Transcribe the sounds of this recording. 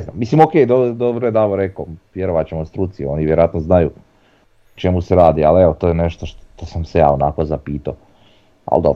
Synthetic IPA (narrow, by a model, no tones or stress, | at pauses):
znaːmːisimokejd̪od̪obɾoed̪aboɾekoʋjeɾoʋat͡ɕemost̪ɾut̪siuo̞niʋjeɾoat̪noznajṵ | t͡ʃe̞museɾaːd̪ialeot̪oːjeneʃt̪oʃt̪t̪osamseja̰ːonakozapiːt̪a | a̰lˠd̪o̰